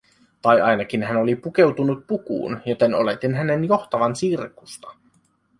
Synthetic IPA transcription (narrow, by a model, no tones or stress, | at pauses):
t̪ɑjɑjnɑk̟inɦæno̞lipuke̞wt̪unut̪̚pukṵːnjo̞t̪e̞no̞̰let̪inɦæne̞njo̞xt̪ɑʋɑnsirkust̪ɑ̥